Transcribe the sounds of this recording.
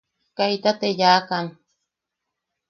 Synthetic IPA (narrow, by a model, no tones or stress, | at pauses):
kait̪at̪ejaːkan